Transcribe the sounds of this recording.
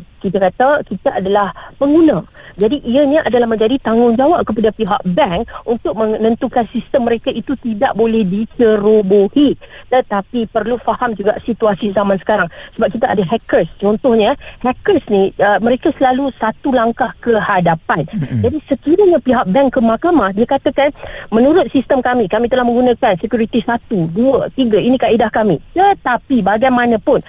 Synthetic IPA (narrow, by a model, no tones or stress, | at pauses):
kit̪akat̪akit̪aʔadalahpəŋɡunãd͡ʒadiʔiaɲaʔadalahmə̃ɲd͡ʒadit̪aŋʊŋd͡ʒawaʔ̚kəpadapiɦa̰ʔbɛŋunt̪ʊk̚mə̃nənt̪ukansist̪əmːəɾekaʔit̪ut̪idaʔbolɛhdit͡ʃəɾobohidət̪apipərlufahamd͡ʒuɡaʔsit̪uasizamansə̥kaɾaŋsəbap̚kit̪aʔadaɦɛkəst͡ʃɔnt̪ʊhɲahɛkəsniəmə̃ɾekasəlalusat̪ulaŋkahkəhadapand͡ʒadisəkiɾəɲãpiɦak̚bɛŋkəmakamahdiakat̪əkanmənuɾʊt̪̚sist̪əmkamĩkamĩt̪əlahmə̃ŋɡunãkansəkjuɾit̪isat̪uduət̪iɡainĩkaʔidahkamit̪ət̪apibaɡajmãnãpʊn